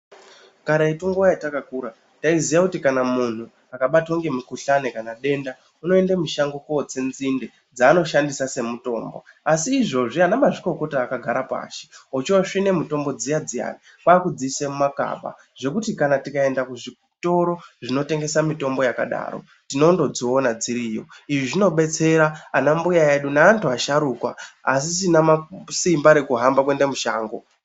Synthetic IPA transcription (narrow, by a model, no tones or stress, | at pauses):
kaɾaituŋɡuʋajatakakuːɾa | taizijakutikanamun̤u | akaɓatwoŋɡe̞mukuɬanekanaɗe̞nda | uno̞endamuʃaŋɡokot͡senzinde | d͡zaːno̞ʃandisase̞muto̞̰ːmbo̞̰ | asiːʐo̞ʐianamaʐiko̞ko̞taːkaɡʱaɾapa̰ʃi̥ot͡ʃoʂine̞muto̞mbo̞d͡zijad͡zia̰ni | kwaːkud͡ziise̞mumaka̰ɓa̰ | ʐ̥e̞kutikanatikae̞ndakuʐi | to̞ɾo̞ʐino̞te̞ŋɡe̞samito̞mbo̞jaka̰ɗa̰ːɾo̰ | tino̞ndo̞d͡zoːnad͡ziɾijo̞̰iʐiʐino̞ɓe̞t͡se̞ɾaanambujaeɗunaːntuaʃaɾuːkwa̰ːs̬isinamasimbaɾe̞kuɦambakwe̞nde̞muʃaːŋɡo̞